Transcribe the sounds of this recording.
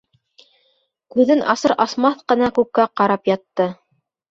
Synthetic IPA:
kʉðɘnʔɑsɤɾʔɑsmɑθqɤ̆nɑkʉkːæqɑɾɑpjɑt̪ːɤ

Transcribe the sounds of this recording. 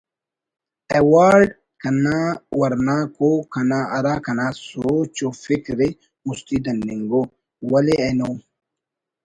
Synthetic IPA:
ɛwaːɾɖ | kɐnawɐɾnakokɐnaʔɐɾakɐnasoːt͡ʃofɪkɾɪ | mʊst̪id̪ɐnːɪŋɡo | wɐlɛɛno

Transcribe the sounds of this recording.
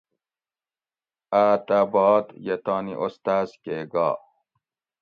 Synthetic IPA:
aːt̪abɑːd̪jet̪ɑːniʔɔst̪azkeɡɑ̰ː

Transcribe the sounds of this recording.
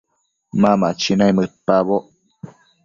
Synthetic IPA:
mãmat͡ʃinajmɨpaβoʔ

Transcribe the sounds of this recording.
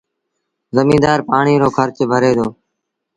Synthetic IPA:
zəmĩːd̪aːɾpaːɳiːɾoːkʰəɾt͡ʃbʱəɾeːd̪oː

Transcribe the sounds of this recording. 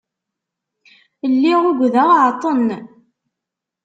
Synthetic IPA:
lːiʁʊɡʷðæʁʕt̪ˤən

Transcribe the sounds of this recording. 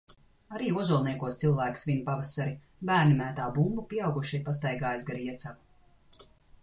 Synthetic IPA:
aɾiːuɔzuɔlˠniɛkuɔst̪silˠvæːksvʲinupavasaɾi | bæːɾnʲimæːt̪aːbumbupʲiɛawɡuʃipas̬t̪ajɡaːjasɡaɾiɛt̪sav

